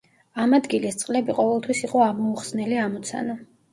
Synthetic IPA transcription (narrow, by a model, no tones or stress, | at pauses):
amad̪ɡilɛst̪sʼqʼlɛbiqʼɔvɛlˠt̪ʰwisiqʼɔamɔuχsnɛliamɔt̪sʰa̰na